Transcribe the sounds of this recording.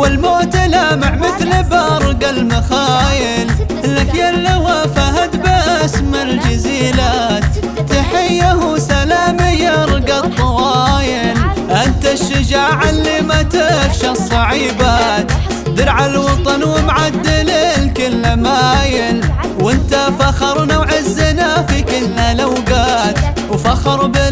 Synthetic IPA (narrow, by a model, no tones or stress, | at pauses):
ɪlmoːt̪ɪlaːmaʕmɪθlbaɾˤɡalmaxaːjɪlʔɪlːakjalːawafaɦat̪bɪʔasmald͡ʒaziːlaːt̪ː | aħɪjːahusalaːmɪjɑɾˤɡat̪ˤːɑwɑːjɪl | ʔɪnt̪aʃːʊd͡ʒaːʕɪlːimat̪ɪfʃasˤːɑʕiːbat̪ | d̪ɪɾʕalwɑt̪ˤɑnwɪmʕad̪ːɪlɪlkɪlːamaːjɪl | wɪnt̪afɑxɑɾˤnoːʕɪzːɪnafikɪlːalawɡaːt̪ | wfɑxɑɾˤbɪ